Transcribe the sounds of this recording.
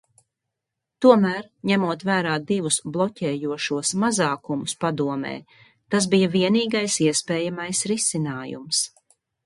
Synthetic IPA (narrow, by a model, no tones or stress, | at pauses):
t̪uɔmæːɾɲæmuɔt̪væːɾaːd̪ivusblˠɔcʲɛːjuɔʃuɔsmazaːkumʊspad̪uɔmɛ̰ː | t̪as̬bijaviɛniːɡajsiɛspɛːjamajsɾisinaːjṵms